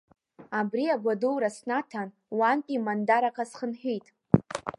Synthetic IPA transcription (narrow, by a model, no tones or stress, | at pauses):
abriaɡʷaduwɾasnatʰan | wantʼimandaɾakʰʼasχənħʷᶣijtʼ